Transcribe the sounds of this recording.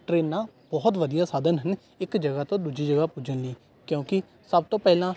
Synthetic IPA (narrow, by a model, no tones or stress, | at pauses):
ʈɾeːnːãːbɔːt̪ʋəd̪ijaːsaːd̪ʱənɦən | ɪkd͡ʒəɡaːt̪õːd̪uːd͡ʒiːd͡ʒəɡaːpud͡ʒənliː | kjõːkɪ | səb̚t̪õːpɛːlãː